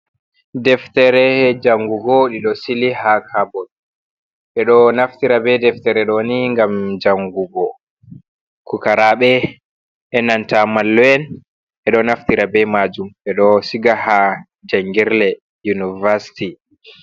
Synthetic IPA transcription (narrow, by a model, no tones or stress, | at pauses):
dɛftɛɾɛd͡ʒaŋɡuɡɔɗiɗɔsilihakʰabɔl | ɓɛɗɔnaftiɾabɛdɛftɛɾɛɗɔniŋɡamd͡ʒaŋɡuɡɔ | kukaɾaɓɛ | ʔɛnantamalːɛn | ɓɛɗɔnaftiɾabɛmad͡ʒumɓɛɗɔsiɡaha | d͡ʒaŋɡiɾlɛ | junivaɾsi̥ti